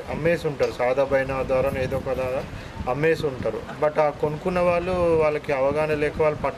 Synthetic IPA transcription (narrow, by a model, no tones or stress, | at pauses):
ɐmːeːsuɳʈaːɾusaːd̪ʱɐbʱɐjnaːd̪aːɾɐmeːd̪ɔːkɐd̪aː | ɐmːeːsuɳʈaːɾṵbɐʈaːkonukunːɐʋaːɭːuʋaːɭːɐkiɐʋɐɡaːnɐlɛːkɐʋaːɭːupɐʈː